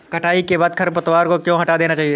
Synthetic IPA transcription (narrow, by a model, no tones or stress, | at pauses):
kɐʈaːikebaːd̪̚kʰɐɾpɐt̪ʋaːɾkokjõɦɐʈad̪eːnat͡ʃaːɦie